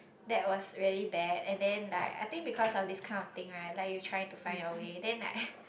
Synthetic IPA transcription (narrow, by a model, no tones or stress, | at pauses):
dɛt̚wɔsɹiəlibɛdɛ̃ndɛ̃nla̰ɪka̰ɪt̪ĩŋbikʰɔsɔfdiskʰãɪ̃ndɔft̪ɪ̃ŋɹaɪt̚laɪkjutʰɹ̥ajɪ̃ŋtufãɪ̃nɔəwedɛ̃nla̰ɪk̚